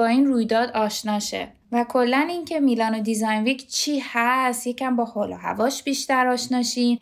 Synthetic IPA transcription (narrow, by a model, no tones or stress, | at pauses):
ɒːiːnruːjd̪ɒːd̪ɒːʃnɒːʃḛ | vækʰo̞lːænincʰe̞milɒːnod̪izɒjnvicʰt͡ʃʰiːhæst̪jecʰæmbɒːholo̰ɦæ̰vɒːʃb̥iːʃt̪æɾɒːʃnɒːʃiːn